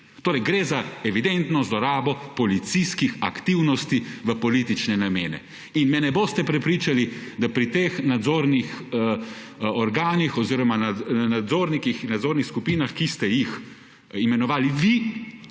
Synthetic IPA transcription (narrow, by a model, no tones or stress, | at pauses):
t̪oːɾɛjɡɾeːzaɛʋid̪ɛnt̪nɔzlɔɾaːbɔpɔlit̪siskixakt̪iwnɔst̪iʋəpɔlit̪it͡ʃnɛnameːnɛ̰ | inmɛnɛboːst̪ɛpɾɛpɾiːt͡ʃalid̪apɾit̪eːxnad̪zoːɾnixə | ɔɾɡaːnixɔziːɾɔmananad̪zoːɾnikixnad̪zoːɾnixskupiːnaxkist̪ɛjix | imɛnɔʋaːliʋi